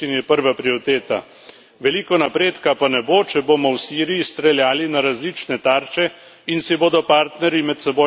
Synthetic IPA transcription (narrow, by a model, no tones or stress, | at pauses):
inɛpəɾʋapɾiɔɾit̪eːt̪a̰ | ʋɛlikɔnapɾeːt̪kapanɛbot͡ʃɛboːmɔwsiːɾijist̪ɾɛljaːlinaɾazlit͡ʃnɛt̪aːɾt͡ʃɛ | insiboːd̪ɔpaːɾt̪nɛɾjimɛt̪sɛbo